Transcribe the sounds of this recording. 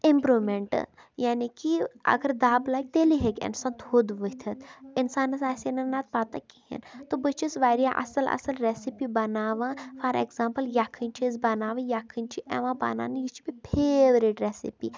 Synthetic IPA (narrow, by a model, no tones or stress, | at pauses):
ɪmpɾumeɳʈ | jaːnikiɐ̰ɡəɾd̪aːblak̚t̪eːliɦekʲɪ̰nsaːnt̪ʰhod̪ʋət̪ʰɐt̪ɪnsaːnɐs̬aːsenɐnːat̪̚paːt̪akihḭnt̪obət͡ʃʰisʋaɾijaʔɐ̰sɐlɐ̰sɐlɾesipibɐnaːʋãːfʰaːɾḛkzãːmpəljakʰːɨnʲt͡ʃʰis̬bɐnaːʋɐ̃jakʰɨnt͡ʃʰiʔḛʋãba̰na̰ːnjit͡ʃʰi̥bipʰeʋɾiʈɾesḭpḭ